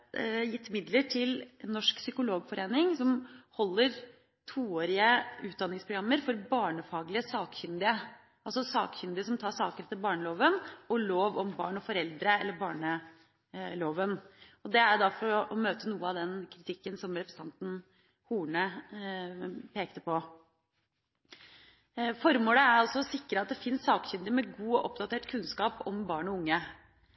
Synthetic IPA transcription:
jɪt̪ːmɪd̪ləʈʰɪlnːɔʂksʏkʊloːɡfɔɾeːnɪŋsɔmhɔlːəɾ | t̪ʰuːoːɾɪəʉːt̪̚d̪ɑnːɪŋspʰɾʊɡɾɑmːəɾfɔɾbɑːɳəfɑːɡlɪəsɑːkçʏnd̪ɪə | ʔɑlsɔsɑ̰ːkçʏnd̪ɪəsɔmt̪ʰɑːʂɑːkəɾɛt̪ːɪbɑːɳəloːʋənɔloːʋɔmbɑ̰ːɳɔfɔɾɛld̪ɾəɛlːəɾbɑːɳə | loːʋənɔd̪ɛæɾd̪ɑfɔɾɔʔɔmøːt̪ənuːəɑʋd̪ɛnkʰɾɪt̪ʰɪkːənsɔmɾɛpɾsət̪ʰɑnt̪n̩ | huːɳə | pʰeːk̚t̪əpʰɔ | fɔɾmoːləæɾɑlsɔsɪkːɾəɑt̪̚d̪ɛfɪnsːɑːkçʏnd̪ɪəmɛɡuːɔʔɔpd̪ɑt̪ʰeːʈkʰʉnskɑːpɔmbɑːɳɔʊŋːə

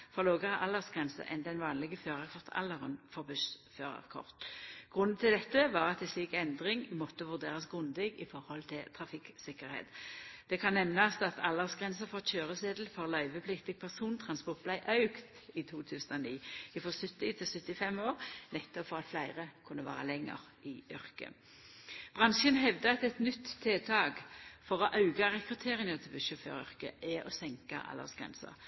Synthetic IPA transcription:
fɔʁloːɡəʁəʔɑlːəʁsɡ̥ʁɛnsə̰ʔɛ̰nd̪ɛnʋɑːnlɪɡəføːʁɑkʰʋɔʁt̪ʰɑ̰lːəʁənfɔʁbʉsføːʁɑ̰kʰɔ̰ʁt̪ɡ̥ʁʉnːn̩t̪ʰɪld̪ɛt̪ːəʋɑːʁɑt̪ɛsliːkɛnd̪ʁɪŋmɔt̪ːəʋʉʁd̪eːʁɑsɡʁʉnd̪ɪɡɪfɔʁhɔlt̪ʰɪlt̪ʰʁɑfɪksɪkəʁhḛːt̪d̪̥ɛkʰɑnːɛmnɑsɑt̪ʰɑlːəʁsɡʁɛnsəfɔʁt̪ɕøːʁəseːd̪l̩fɔʁlœʏʋəpʰlɪkt̪ɪɡ̚pʰæʁsuːnt̪ʰʁɑnspɔʁt̪̚b̥læɪʔœʉkt̪ | it̪ʰuːt̪ʰʉːsənoːniːɪfʁɔsʉt̪ːɪt̪ʰɪlsʉt̪ːɪfɛmoːʁnɛt̪ːɔpfɔʁɑt̪flæɪʁəkʰʉnːəʋɑ̰ːʁəlɛŋːə̰ʁ | ɪʔʏʁkə̰ | b̥ʁɑnʃənɦɛʋd̪əɑt̪ɛt̪nʏt̪ʰːeːt̪ʰɑːɡfɔʁɔʔɑʉɡɑʁɛkʁʉt̪ʰeːʁəŋət̪ʰɛlbəʃʏfø̰ːʁʏ̰ʁkə̰ʔɛʔɔsɛŋkə̰ʔɑ̰lə̰ʁsɡ̥ʁɛ̰nsə̰ʁ

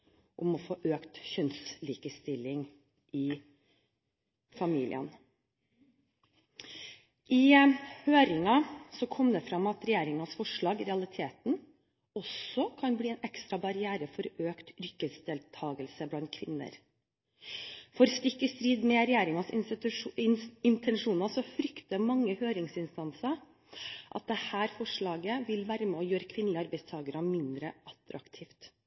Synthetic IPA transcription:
ʔʊmɔfoːʔøːkt̪ɕœnsliːkəst̪ɪlɪŋ | ʔɪ | fɑmḭːlʔɪ̰ə̰n | ʔɪhøːɾɪŋɑsɔkʰɔmd̪ɛfɾɑmɑt̪ɾɛjeːɾɪŋɑsfɔʂɭɑːɡɾɛɑlɪt̪ʰeːt̪n̩ | ɔsɔkʰɑnbliːɛːnɛkst̪ɾɑbɑɾɪæːɾəfɔɾøːkt̪ʏɾkːəsd̪ɛːlt̪ʰɑːɡəlsəblɑnt̪̚kʰʋɪnːə̰ɾ | fɔɾst̪ɪkːəst̪ɾiːd̪mɛɾɛjeːɾɪŋɑs | ɪnt̪ʰɛnʂuːnɑsɔfɾʏkt̪əmɑŋːəhøːɾɪŋsɪnst̪ɑnsəɾ | ʔɑ̰t̪̚d̪ɛhæːɾfɔʂɭɑːɡəʋɪlʋæːɾəmɛɔjøːɾəkʰʋɪnːəlɪɑɾbæɪst̪ʰɑːɡəɾəmɪnd̪ɾəʔɑt̪ɾɑ̰kt̪ʰiːft̪

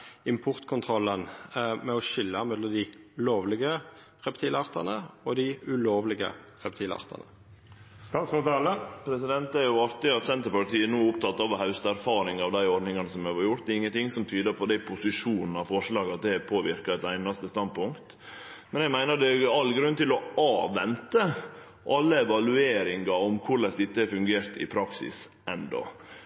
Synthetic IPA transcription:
ɪmpʰʊʁt̪kʰʊnt̪ʰʁɔlːənmɛɔʃɪlːɑmɛd̪lɔmd̪ɪʉloːʋlɪɡə | ʁɛpt̪ʰiːlɑʁt̪ɑ̰nəɔd̪ɪʉloːʋlɪɡə̰ | ʁɛpt̪ʰiːlɑ̰ʁt̪ʰɑ̰nə̰ | st̪ɑt̪sɔt̪ɑləpʰɾɛsɪd̪ɛnt̪æɾjʊɑɾt̪ɪɑt̪sɛnt̪əɾpɑt̪iːənuːʊpt̪ʰɑt̪ːɑʋhɑʉst̪æɾfɑːɾɪŋɑʋd̪æɪɔɾɖ̪nɪŋɑnəsɔmjʋɑɾjʊɾt̪d̪ɪŋːənt̪ɪŋsɔmt̪ʰyːd̪əpʰɔd̪æɪpʰʊsɪʂuːnn̩ɑfɔʂɭɑːɡəɑt̪̚d̪ɛpʰoːʋɪɾkɑɛt̪æɪnɑst̪əst̪ɑnd̪pʰʊŋkt̪ | mɛnjæmæɪnəɾd̪ɛɑlːɡɾʉnt̪ɪlɔɑːʋɛnt̪ə | ʔɑlːəɛʋɑlʉeːɾɪŋɑɔmkʰʊɾɭɛsd̪ɪt̪ːəɛɾfʉŋɡeːɾt̪ɪ̰pʰɾɑksɪ̰s | ɛnd̪ɔ̰

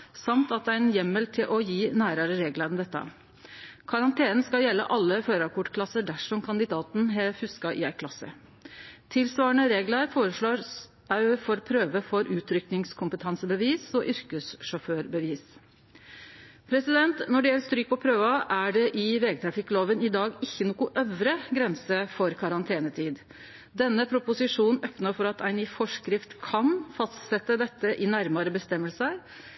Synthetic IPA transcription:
sɑmt̪ɑt̪æɪnjɛmːəlt̪ʰɪlʔɔjiːnæːɾɑɾəɾeːɡləɾnd̪ɛt̪ːə̰ | kʰɑɾɑnt̪ʰeːnn̩skɑjɛlːə̰ʔɑlːəføːɾɑkʰʊʈkʰlɑsəɖæʂɔmkʰɑnd̪ɪd̪ɑːt̪nɦɛfʉskɑʔɪ̰æɪkʰlɑsə̰ | t̪ʰɪlsʋɑːɳəɾeːɡləɾfoːɾəʂɭoːɾ | æfɔɾpʰɾøːʋəfɔɾʉːt̪ʰɾʏknɪŋskʰʊmpət̪ʰɑnsəbəʋiːsɔʔʏɾkəsʂɔføːɾbəʋiːs | pʰɾɛsɪd̪ɛnt̪nɔɖɛjɛlt̪st̪ɾyːk̚pɔpʰɾøːʋɑʔæɖɛʔɪʋeːɡət̪ʰɾɑfɪkːloːʋənɪd̪ɑːɡɪçːənuːkʊʔœʋɾəɡɾɛnsəfɔɾkʰɑɾɑnt̪ʰeːnət̪ʰiːd̪ | d̪ɛnːəpʰɾʊpʊsɪʂuːnn̩œpnəfɔɾɑt̪ʰæɪniːfɔʂkɾɪft̪kʰɑnfɑst̪sɛt̪ːəd̪ɛt̪ːəʔɪnæɾmɑɾəbəst̪ɛmːəlsəɾ

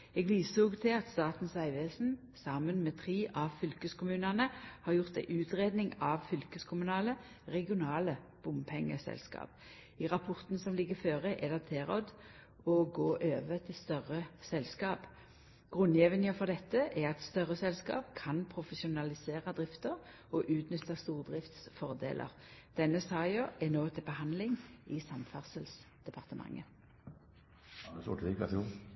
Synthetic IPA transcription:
ɛɡʋiːsuːɡt̪ʰɪlɑt̪st̪ɑːt̪n̩sæɪʋeːsn̩ | sɑmənmɛt̪ʰʁiːʔɑʋfʏlkəskʰʊmʉːnənəhɑʁjʊʁt̪æɪʔʉːt̪ʁeːd̪nɪŋɑʋfʏlkəskʰʊmʉnɑːlə | ʁɛɡɪʊnɑːlə | b̥ʊmpʰɛŋːə̰sɛ̰lskɑ̰ːp | ɪʁɑpʰɔʁt̪n̩sɔmlɪɡəføːʁəʔɛd̪ɛt̪ʰeːʁɔd̪ | ɔɡoːʔøːʋət̪ʰɪlst̪œʁəsɛlskɑːp | ɡ̥ʁʉnːjɛʋənjəfɔʁd̪ɛt̪ːəʔɛʁɑt̪st̪œʁəsɛlskɑ̰ːpkʰɑnpʰʁʊfɛsʊnɑlɪseːʁɑd̪ʁɪft̪əʁ | ɔʔʉːt̪nʏt̪ːɑst̪uːʁd̪ʁɪft̪sfɔʁd̪ḛːlʔə̰ʁd̪̥ɛnːəsɑːɪɔʔɛnoːt̪ʰɪlbəhɑnd̪lɪŋɪsɑmfæʁsəlsd̪̥ɛpʰɑʁt̪əmʔɑ̰ŋːə | əsɔ̰ʈʋɪkɑ̰t̪u

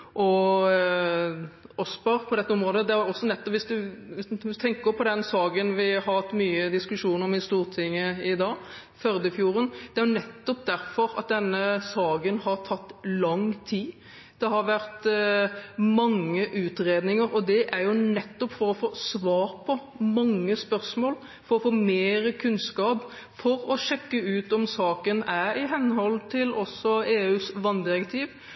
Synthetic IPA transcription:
ʔɔ | ʔɔsbɑɾpʰɔd̪ɛt̪ːəɔmɾoːd̪əd̪ɛæɾjɔsːɔnɛt̪ːɔpʋɪsd̪ʉ | t̪ʰɛŋkəɾpʰɔd̪ɛnsɑːɡənʋɪɦɑɾɑt̪ːmyːəd̪ɪskʉʂuːnəɾɔmɪst̪uːʁt̪ʰɪŋːəɪd̪ɑː | fœɾd̪əfjuːɾənd̪̥ɛæɾjʊnɛt̪ːɔp̚d̪æɾfɔɾɑ̰t̪̚d̪ɛnːəsɑːɡənhɑɾt̪ʰɑt̪ːlɑŋt̪ʰiː | d̪̥ɛɦɑɾʋæɾt̪ | mɑŋːəʔʉːt̪ɾeːd̪nɪŋəɾɔd̪ɛʔæɾjʊnɛt̪ːɔpfɔɾɔfoːsʋɑːɾpʰɔ | mɑŋːəspœɾsmoːl | fɔɾɔfoːmeːɾəkʰʉnskɑːp | fɔɾɔʃɛkːəʉːt̪ɔmsɑːkənæɾɪɦɛnːhɔlt̪ʰɪlɔsːɔeːʉːsʋɑnd̪ɪɾɛkt̪ʰiːʋ

